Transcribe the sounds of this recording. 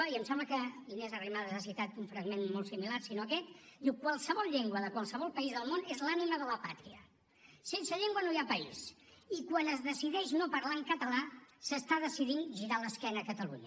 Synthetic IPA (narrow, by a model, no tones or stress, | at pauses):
iəmsɛ̃mbləkəinɛzərimaðəzasit̪at̪uɱfɾəɡmenmolˠtsimilarsinoəkɛt̪d̪iwkwalˠsəβɔlˠʎeŋɡwəðəkwalˠsəβɔlˠpəizðəlˠmonezlaniməðələpa̰t̪ɾiə | sensəʎeŋɡwənoiapəḭs | ikwanəzðəsiðɛʃnopəɾlaəŋkət̪əlasəst̪aðəsiðinʒiɾaləskɛnəːkət̪əlṵɲə